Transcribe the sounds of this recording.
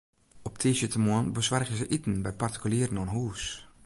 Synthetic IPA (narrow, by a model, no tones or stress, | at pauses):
ɔptʰiːsjətəmɔənbəsʋarɣəzəʔitən̩bɛjparti̥kyliːɾən̩ɔnɦuːs